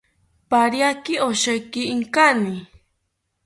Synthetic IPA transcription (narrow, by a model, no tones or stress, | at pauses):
paɾjakɪoʃajkɪːŋkanɪ